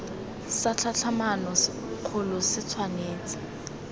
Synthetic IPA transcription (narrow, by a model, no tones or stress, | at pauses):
sat͡ɬʰat͡ɬʰamanɔ | q͡χʰʊlɔsɪt͡sʰwaneːt͡sɪ̥